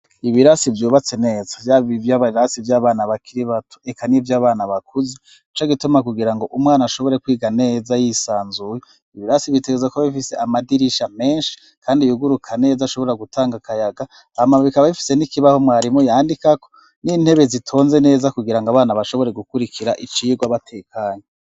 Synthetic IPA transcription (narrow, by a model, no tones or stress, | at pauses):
iβiɾasivjuːβat͡se̞ne̞ːzḁvjaβivjaβaɾasivjaːβaːnaβakʰiɾiβatu̥e̞kʰanivjaːβaːnaβakuze | it͡ʃoɡitumakuɡiɾaŋɡo̞ʔumŋaːnaʃo̞βo̞ɾe̞kwiːɡane̞ːzajisaːnzuje | iβiɾasiviteɡezakoβaβifise̞amadiɾiʃame̞ːnʃi̥ | kʰaːndijuɡuɾukʰane̞ːzaʃo̞βo̞ɾaɡutʰaːŋɡakʰajaɡa | amaβikaβaβifi̥senikiβaho̞mwaːɾimujaːndikako̞̥ | niːn̥he̞βezitʰo̞ːnze̞ne̞ːzakuɡiɾaŋɡaβaːnaβaʃo̞βo̞ɾe̞ɡukuɾikʰiɾaʔit͡ʃiːɡwaβatʰe̞ːkʰaːɲe